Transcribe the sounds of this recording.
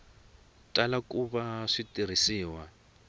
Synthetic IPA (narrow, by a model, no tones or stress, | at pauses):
talakuβaʂitʼirisiːwa